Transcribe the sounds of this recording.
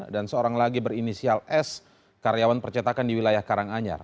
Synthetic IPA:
dansəoɾaŋlaɡibəɾinisialɛs | kaɾjawanpərt͡ʃat̪akandiwilajahkaɾaŋaɲa̰r

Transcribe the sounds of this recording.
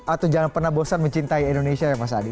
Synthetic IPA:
ʔat̪awd͡ʒaŋanpərnahbosanməɲt͡ʃint̪aiɛndonesiajaŋmas̬aːdi

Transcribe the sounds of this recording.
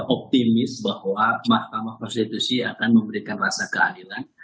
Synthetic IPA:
ʔɔp̚t̪imɪsbahwamahkamahkɔnst̪it̪usiakanməmbəɾikanrasakəa̰dilan

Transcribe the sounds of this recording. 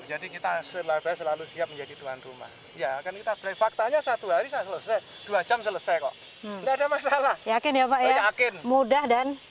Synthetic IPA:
d͡ʒadikit̪asəlab̥asəlalusiap̚məɲd͡ʒadit̪uɦanruma̰h | jakankit̪ab̥ɾaifak̚t̪aɲasat̪uɦaɾisasələsaj | d̥uad͡ʒamsələsajkɔ̰ʔ̩ | ndaadamasalahjakɪnjapaʔjajakɪnmudahdan

